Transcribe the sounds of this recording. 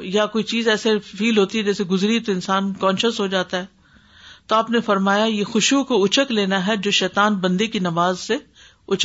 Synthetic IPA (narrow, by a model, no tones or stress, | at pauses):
jakoːit͡ʃiːzɛːsefiːlɦoːt̪iɦɛd͡ʒɛːseɡʊzɾit̪oɪnsaːnkɔ̃ːnʃəsɦod͡ʒaːt̪aɦɛː | t̪oaːpnefɐɾmaːjajexʊʃukoʊt͡ʃəkleːnaɦɛd͡ʒoːʃɛːt̪aːnbɐ̃nd̪ekinɐʋaːzse | ʊt͡ʃ